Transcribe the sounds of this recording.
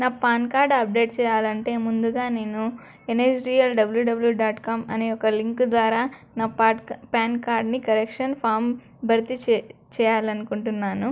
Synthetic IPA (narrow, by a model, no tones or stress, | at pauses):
naːpaːnkaːɾɖɐp̚ɖe̞ːʈt͡ʃɛːjaːlɐɳʈe̞ːmund̪uɡaːne̞ːnu | eneːd͡ʒɖiːɐlɖɐbɐljuːɖɐbɐljuːɖaːʈkaːmɐneːɔkɐliŋkd̪ʋaːɾaːnaːpːpaːnkaːɾɖnikɐɾekʂɐnpʰaːɾm | bʱɐɾt̪it͡ʃɛːjaːlɐnukuɳʈunːaːnu